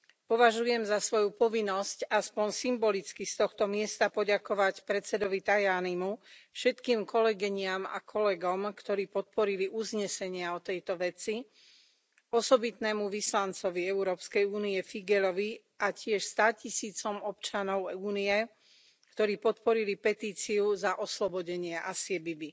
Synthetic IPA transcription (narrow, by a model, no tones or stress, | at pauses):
pɔʋaʒujɛmzasʋɔjupɔʋinːɔscaspɔnsimbɔlit͡skist̪ɔxt̪ɔmɪɛst̪apɔɟakɔʋacpɾɛt͡sɛd̪ɔʋit̪ajaːnimufʃɛt̪kiːmkʰɔlɛɡiɲɪama̰kʰɔlɛɡɔmkt̪ɔɾiːpɔt̪̚pɔɾiliʔuzɲɛsɛɲɪaɔt̪ɛjt̪ɔʋɛt͡si | ɔsɔbit̪nɛːmuʋislant͡sɔʋiɛuɾɔːpskɛjuːniɛfiɡɛlɔʋi | ʔacɪɛʃst̪acisiːt͡sɔmɔpt͡ʃanɔʊuːniɛ | kt̪ɔɾiːpɔt̪pɔɾilipɛt̪iːt͡siuzaʔɔslɔbɔɟɛɲɪɛʔasɪɛbibi